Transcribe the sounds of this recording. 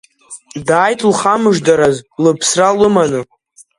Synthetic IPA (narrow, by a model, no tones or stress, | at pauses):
daːjtʼlχamɨʒdaɾazlɨpʰsralɨmanɨ